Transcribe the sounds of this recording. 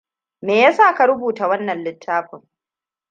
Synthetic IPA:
meː˨jaː˦saː˦˨ka˨ɾʊ˦buː˨ta˨wɐ˦nːɐ˨nlɪ˦tʰːaː˦ɸɪ˨ŋ

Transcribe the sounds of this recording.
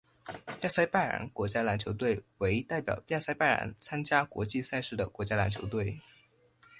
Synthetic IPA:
t̪ja˥˧˩sa˥˧ɪpa˥˩ɪɻa̰˧˥nkwɔ˧˥t͡ɕja˥la˧˥nt͡ɕʰjo˧˥ʊt̪̬we˥˩ɪwe˧˥ɪt̪a˥˩ɪpjɑ̰˨˩ʊt̪ja˥˧sa˥˧ɪpa˥˩ɪɻa̰˧˥nt͡sʰa˥nt͡ɕja˥kwɔ̰˧˥t͡ɕi˥˧sa˥˧ɪʂɻ̩˥˩d̪ə˩kwɔ˧˥t͡ɕja˥la˧˥nt͡ɕʰjo˧˥ʊt̪we˥˩ɪ

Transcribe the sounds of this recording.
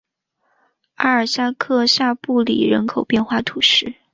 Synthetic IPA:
a˥ə˞˨˩sa˥˧kʰɤ˥˧ɕja˥˧pu˥˩lḭ˨˩ɻə̰˧˥nkʰo˨˩ʊpjɛ˥˧nxwa˥˩t̪ʰu˨˩ʂɻ̩˥˩

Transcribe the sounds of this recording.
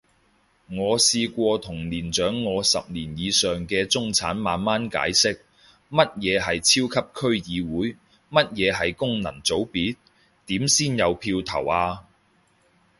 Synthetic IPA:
ŋɔː˨˧siː˧kʷɔː˧t̪ʰʊ˨˩ŋliː˨˩nt͡ʃœː˨˥ŋːɔː˨˧sɐ̰˨p̚niː˨˩njiː˨˧sœː˨ŋkɛː˧t͡sʊ˥ŋt͡sʰa̰ː˨˥nmaː˨˧nmaː˥nka̰ː˨˥jsɪ˥k̚ | mɐ˥t̚jɛː˨˧ɦɐ˨jt͡sʰiː˥wkʰɐ˥p̚kʰɵ˥ɥjiː˨˧wuː˨˥j | mɐ˥t̚jɛː˨˧ɦɐ˨jkʊ˥ŋnɐ̰˨˩ŋt͡so˨˥wpiː˨˥t̚ | t̪iː˨˥msiː˥njɐ˨˧wpʰiː˧wt̪ʰɐ̰˨˩waː˧

